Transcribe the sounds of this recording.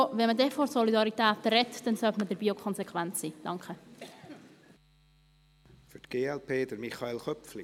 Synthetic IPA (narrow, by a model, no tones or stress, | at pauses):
ʋɛnmədɛfɔɾsɔlidɑɾitæːtɾɛtd̥ɛnsœtmədəɾbiːokʰɔnsɛkʰʋænt͡ssiːd̥ɑŋkχə | fʏtɡ̥eːɛlpʰeːd̪əɾmiχɑelχœpfli